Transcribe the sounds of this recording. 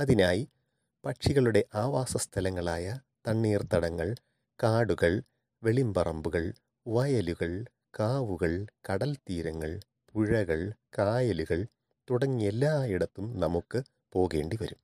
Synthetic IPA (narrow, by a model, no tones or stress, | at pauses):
ɐðinaːji | pɐʈʂiɣɐɭuɽe̞ʔaːʋaːsɐst̪ʰɐlɐŋːɐɭaːjɐ | t̪ɐɳːiːrt̪ɐɽɐŋːɐɭ | kaːɽuɣɐɭ | ʋe̞ɭimbɐrɐmbuɣɐɭ | ʋɐjɐluɣɐɭ | kaːʋuɣɐɭkɐɽɐlt̪iːɾɐŋːɐɭ | puɻɐɣɐɭkaːjɐluɣɐɭ | t̪uɽɐŋːie̞lːaːiɽɐt̪ːumnɐmukːɨ | po̞ːɣe̞ːɳɖiʋɐɾum